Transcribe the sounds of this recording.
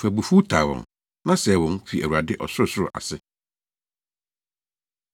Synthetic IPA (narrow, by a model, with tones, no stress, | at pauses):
fæ˨bu˨fu˦tʰa˨wɔ̰̃˨n | nã˦sɛ˨wɔ̃˨n˦fi˨æ̰˨wu˨ɾa˨dɪ˦ʔɔ˨sʊ˦ɾʊ˨sʊ˦ɾʊ̰˨ʔa̰˨sɪ˦